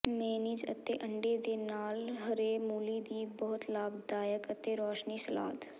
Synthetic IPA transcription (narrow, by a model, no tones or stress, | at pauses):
meːniːd͡ʒə̰t̪eʔəɳɖed̪eːnaːlɦɐɾeːmuːliːd̪iːbɔɦʊt̪laːbd̪aːjəkət̪eɾɔːʃniːsəla̰ːd̪